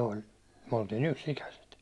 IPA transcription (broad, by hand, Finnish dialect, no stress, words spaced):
olʲ myæ̹ oltiːn yksikæset